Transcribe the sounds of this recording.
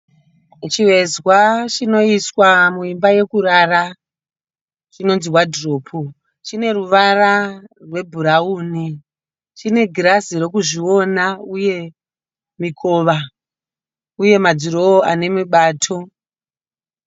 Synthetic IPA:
t͡ʃiʋe̞zwat͡ʃino̞iswamuimbaje̞kuɾara | t͡ʃino̞nzirwadʱro̞ːpʰo | t͡ʃine̞ruʋararwe̞bʱuɾauːni | t͡ʃine̞ɡrasiɾo̞kuʐio̞nauje̞ | mikʰo̞ːʋa | uje̞mad͡ziɾoːa̰ne̞miɓaːtʰo̞

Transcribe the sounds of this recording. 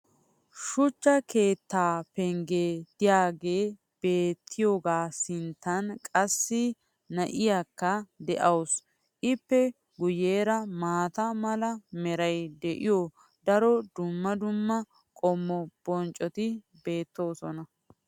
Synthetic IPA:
ʃʊt͡ʃːɐkʰe̞ːt̪ːaːpɛŋɡed̪̥ɪjaːɡe̞ː | b̥e̞ːt̪ʰːɪjoːɡaːsɪnt̪ːɐnkʼɐsːɪ | nɐʔɪjakːɐd̪ɛʔɐws | ʔɪpːɛ | ɡʊjeːɾɐmaːt̪ɐmɐlɐmɛɾɐjd̪ɛʔɪjo | d̪ɐɾɔd̪ʊmːɐd̪ʊmːɐ | kʼɔmːɔb̥ɔnt͡ʃʼɔt̪ɪ | be̞ːt̪ːo̞ːsɔnɐ

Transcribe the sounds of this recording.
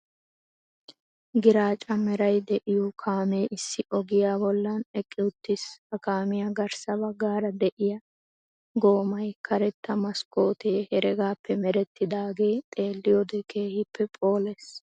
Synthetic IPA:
ɡɪɾaːt͡ʃʼɐmɛɾɐjd̪ɛʔɪjukʰaːmeːʔɪsːɪʔɔɡɪjaːbɔlːɐnɛkʼːɪʊt̪ːɪsɐkaːmɪjɐɡɐɾsɐbɐɡːaːɾɐd̪ɛʔɪjɐ | ɡo̞ːmɐjkʰɐɾɛt̪ːɐmɐsko̞ːt̪eːhɛɾɛɡaːpːɛmɛɾɛt̪ːɪd̪aːɡeːt̪ʼe̞ːlːɪjoːd̪ɛkʰe̞ːhɪpʰːɛpʼo̞ːles

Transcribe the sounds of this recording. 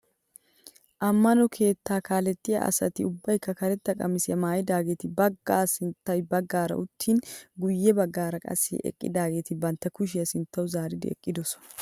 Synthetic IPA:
ʔɐmːɐnɔkʰe̞ːt̪ːaːkaːlɛt̪ʼːɪjɐ̰ʔɐ̰sɐt̪ɪ̰ʊbːɐjkːɐkɐɾɛt̪ːɐkʼɐmɪsɪjɐmaːjɪd̪aːɡe̞ːt̪ɪbɐɡːaːsɪnt̪ːɐjbɐɡːaːɾɐ̰ʔʊt̪ːiːnɡʊjːɛbɐɡːaːɾɐkʼɐ̰sːɪ̰ʔɛ̰kʼːɪ̰d̪aːɡe̞ːt̪ɪbɐnt̪ːɐkʊʃ̬ɪjɐsɪnt̪ːɐwʊzaːɾɪd̪ɪ̰ɛ̰kʼːɪd̪ɔsɔ̥

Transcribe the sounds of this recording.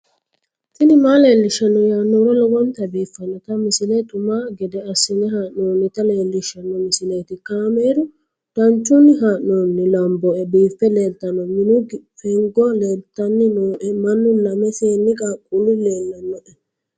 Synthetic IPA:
tɪnɪmaːleːlːɪʃːɐnːɔjaːnːoːɾɔlɔɡɔnt̪ɐbiːfːɐnːɔt̪ɐmɪsɪlɛt̪ʼʊmaːɡɛd̪ɛɐsːɪnɛhaːʔnoːnːɪt̪ɐleːlːɪʃːɐnːɔmɪsɪleːt̪ɪkaːmeːɾʊ | d̪̥ɐnt͡ʃːʊnːɪɦaːʔnoːnːɪlɐmbɔɛbiːfːɛleːlt̪ːɐnːɔmɪnʊɡfɛŋɡɔleːlt̪ːɐnːɪnoːʔɛmɐnːʊlɐmɛfeːnːɪkʼaːkʼːulɪleːlːɐnːɔʔɛ

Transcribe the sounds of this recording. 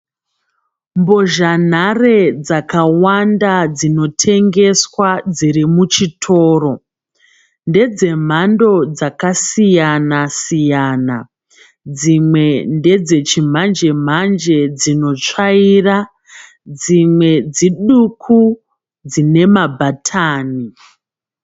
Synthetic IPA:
mbo̞ʒan̤are̞d͡zakawandad͡zino̞tʰe̞ŋɡe̞swad͡ziɾimut͡ʃitʰo̞ːro̞ | nde̞d͡ze̞m̤ando̞d͡zakasijanasijaːna | d͡zimwe̞nde̞d͡ze̞t͡ʃim̤and͡ʒe̞m̤and͡ʒe̞d͡zino̞t͡ʂaira | d͡zimwe̞d͡ziɗukʰu | d͡zine̞mabʱatʰaːni

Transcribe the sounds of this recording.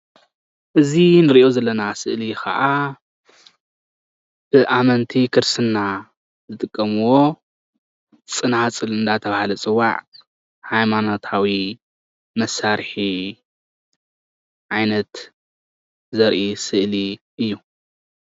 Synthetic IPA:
ʔɨzinɨɾiʔo̞zɐlːɐnasɨʔlikʰɐ̰ʔa | b̥ɨʔamɐnt̪ʰikʰɨɾsɨnːa | zɨt̪ʼɨkʼːɐmuwo̞ | t͡sʼɨnat͡sʼɨlɨnd̪at̪ʰɐβahlɐt͡sʼɨwːa̰ʕ | hajmanot̪ʰawi | mɐsːaɾħi | ʕajnɐt̪ | zɐɾʔisɨʔliʔɨjːu

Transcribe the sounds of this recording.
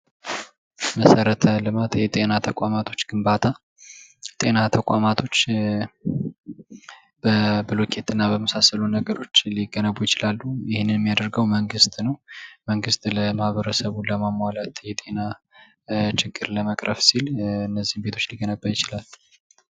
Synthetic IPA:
məsəɾət̪ʰəlɨmat̪jɛt̪ʼe̞nat̪ʰəkʷʼamat̪ʰo̞t͡ʃːɡ̥ɨmbat̪ʰa | jɛt̪ʼe̞nat̪ʰəkʷʼa̰mat̪ʰo̞t͡ʃː | bəbɨlokʰe̞t̪ʰɨnːabəməsasəlunəɡəɾo̞t͡ʃːliɡənəβujɪt͡ʃɪlalːujɪhɪnːɨnjɛmːijad̪əɾɡəwməŋɡɨst̪ʼnəwməŋɡɨst̪ʼləmahβəɾəsəβuləmamwalat̪jɛt̪ʼe̞na | t͡ʃɪɡːɨɾləməkʼɾʔəfsilɨnːəzːihmbe̞t̪ʰot͡ʃːliɡənəbːajɪt͡ʃɪlalː

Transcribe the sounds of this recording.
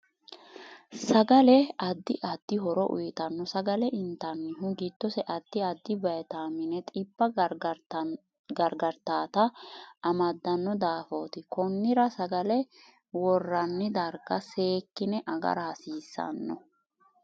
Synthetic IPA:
sɐɡɐlɛɐd̪ːɪʔɐd̪̥ːɪɦɔɾɔʔʊ̰jɪt̪ɐnːɔsɐɡɐlɛʔɪnt̪ːɐnːɪɦʊɡit̪ːɔsɛʔɐd̪ːɪɐd̪ːɪbɐjɛt̪aːmɪnɛt̪ʼɪbːɐ | ɡɐɾɡɐɾt̪aːt̪ɐɐmɐd̪ːɐnːɔd̪aːfo̞ːt̪ɪkɔnːɪɾɐsɐɡɐlɛ | wɔrːɐnːɪd̪ɐɾɡɐse̞ːkːɪnɛʔɐɡɐ̰ɾɐhɐsiːsːɐ̰nːɔ̰

